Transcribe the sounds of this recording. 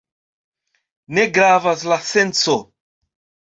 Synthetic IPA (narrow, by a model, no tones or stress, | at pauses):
neɡɾavaslasent͡so